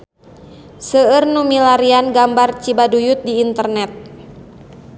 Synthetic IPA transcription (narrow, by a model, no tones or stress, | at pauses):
səərnumilaɾianɡambart͡ʃibadujʊt̪̚diːnt̪ərnɛt̪̚